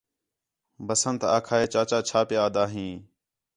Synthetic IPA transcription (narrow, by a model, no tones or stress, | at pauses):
bəsənt̪a̰ːkʰaːɦeːt͡ʃaːt͡ʃaːt͡ʃʰaːpeːaːd̪aːɦĩː